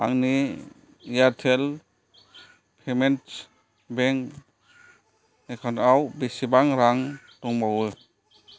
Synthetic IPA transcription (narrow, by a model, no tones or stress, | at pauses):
aŋni | jatʰel | pʰement | beŋ | ekʰɔnawbesibaŋɾaŋ | tɔŋbawɯ